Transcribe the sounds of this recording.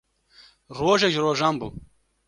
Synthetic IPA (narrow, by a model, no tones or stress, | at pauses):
ɾoːʒeʒɾoːʒɑːmbuː